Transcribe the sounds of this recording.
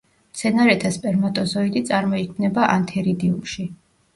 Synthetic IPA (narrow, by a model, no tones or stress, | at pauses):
mt̪sʰɛnaɾɛt̪ʰaspʼɛɾmat̪ʼɔzɔid̪it̪sʼaɾmɔikʰmnɛbaʔant̪ʰɛɾid̪iumʃi